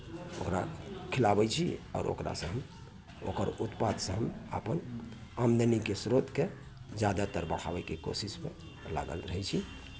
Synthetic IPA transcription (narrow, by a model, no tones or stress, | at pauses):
okɾakʰilabɛt͡ʃʰiɔ̰ːɾo̰kɾa̰sə̃ɦəm | o̰kəɾut̪pad̪sə̃ɦəma̰pən | amd̪ənikesɾot̪ke | d͡ʒjad̪at̪əɾbəkʰabɛkeko̰sispḛ | la̰ɡə̰lɾəɦɛt͡ʃʰi